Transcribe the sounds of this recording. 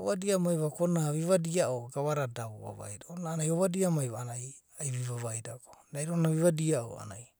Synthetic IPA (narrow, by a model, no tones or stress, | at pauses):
oβadiamajβakonaβiβadiaʔoɡaβaɾadaβoβa̰βa̰jdaonaːnajoβadiamajβaanaj | ajβiβaβajdaɡo̥dajɾonaβiβadiao̰a̰naj